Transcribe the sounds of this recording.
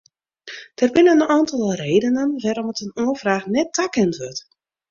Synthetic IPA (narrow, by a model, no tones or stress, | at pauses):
d̥ərbɪnənaːntɔlˠreːdənənʋɛrɔmətənoəfraːxnɛtːakɛntʋøt